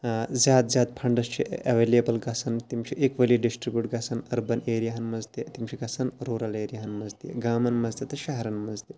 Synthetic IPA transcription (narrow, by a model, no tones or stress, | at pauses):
zʲjaːd̪zʲjaːd̪̚pʰɐɳɖɐst͡ʃʰiɐʋeːlijɐbɐlɡɐsʰɐnt̪imt͡ʃʰiʔekʋɐliɖisʈɾibjuːʈɡɐsɐnɐɾbɐneːɾijaɦɐnmɐzt̪et̪imt͡ʃʰiɡɐsɐnɾoːɾɐleːɾijaɦɐnmɐzt̪ḭɡaːmɐnmɐzt̪et̪ɐʃɐɦɾɐnmɐzt̪e